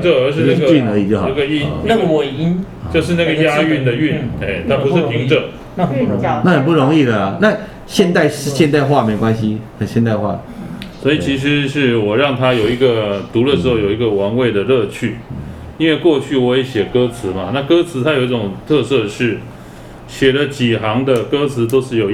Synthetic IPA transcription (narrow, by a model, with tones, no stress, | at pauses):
ə˨ə˞˧˥ʂɻ̩˥˧na˥ɡə˧t͡ɕy˥˨nə˧˥i˨˩t͡ɕjo˥˩xa˥˩ɡə˨i˥nna˥˨we˨˩˨i˥n˨ | t͡ɕjo˥˧ʊʂɻ̩˥˧na˥˩ɡə˨˩ja˥y˥˩˨nd̪ə˨y˥˨ne˥˩ɪt̪ʰa˥pu˧ʂɻ̩˥˨pʰi˧˥ŋʈ͡ʂə˨˥ | ə˨˩˧na˥˩xə˨˩np̬u˥˩ɻo˧˦ŋi˥˩d̪ə˩a˩na˥˨ | ɕjɛ˥˧nt̪a˥˧ɪʂ̩˥˧ɕjɛ˥˧nt̪a˥˧ɪxwa˥˨me˧˥ɪkwa˦nɕi˧xə˨˩nɕjɛ˥˧nt̪a˥˧ɪxwa̰˥˩d̪ə˩swoɔ˦˥i˨˩t͡ɕʰi˧˥ʂ̬ɻ̩˧˦ʂɻ̩˥˩wɔ˨˩ɻɑ˥˩ŋt̪ʰa˥jo˨ʊi˧˥ɡə˨t̪u˧˥lə˧˨ʂɻ̩˧˥xjo˨˩ʊi˧˥ɡə˨wɑ˧˥ŋwe˥˩ɪd̪ə˩lɤ˥˧t͡ɕʰy˥˩ | i˥nwe˥˧ɪkwɔ˥˧t͡ɕʰy˥˩wɔ˧˦e˨˥ɕjɛ˨˩kɤ˥t͡sʰɹ̩˧˦ma˨na˥˩kɤ˥t͡sʰɹ̩˧˥t̪ʰa˥jo˨˩ʊi˥˩ʈ͡ʂʊ˨˩ŋt̪ʰɤ˥˧sɤ˥˧ʂɻ̩˥˩ | ɕjɛ˨˩lə˦t͡ɕi˨˩xɑ˧˥ŋd̪ə˨kɤ˥t͡s̩ʰ˧˥t̪o˥ʊʂɻ̩˥˩jo˨˩ʊ